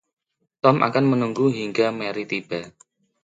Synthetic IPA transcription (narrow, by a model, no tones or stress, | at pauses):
t̪ɔmʔa̰kanmənuŋɡuɦiŋɡamɛɾit̪ib̥a